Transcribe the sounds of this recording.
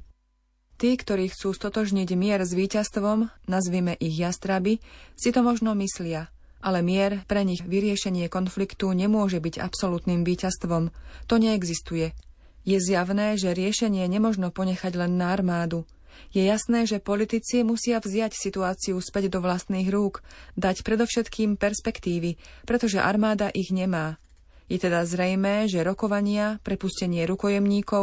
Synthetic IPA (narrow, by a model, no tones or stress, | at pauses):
t̪iːkt̪ɔɾiːxt͡suːst̪ɔt̪ɔʒɲiɟmɪɛɾzʋiːcast̪ʋɔmnazʋiːmɛʔiɣjast̪ɾabisit̪ɔmɔʒnɔmislɪa | ʔalɛmɪɛɾpɾɛɲiɣʋiɾɪɛʃɛɲɪɛkɔnflikt̪uɲɛmʊɔʒɛbiɟa̰psɔlut̪niːmʋiːcast̪ʋɔmt̪ɔɲɛːɡzist̪ujɛ | jɛzjaʋnɛːʒɛɾɪɛʃɛɲɪɛɲɛmɔʒnɔpɔɲɛxaɟlɛnːaːɾmaːd̪u | jɛjasnɛːʒɛpɔlit̪it͡simusɪavzɪjacsit̪uaːt͡siuspɛɟd̪ɔʋlast̪niːɣɾuːkd̪acpɾɛd̪ɔfʃɛt̪kiːmpɛɾspɛkt̪iːʋipɾɛt̪ɔʒɛʔa̰ɾmaːd̪aʔiɣɲɛmaː | jɛt̪ɛd̪azɾɛjmɛːʒɛɾɔkɔʋaɲɪapɾɛpuscɛɲɪɛɾukɔjɛmɲiːkɔ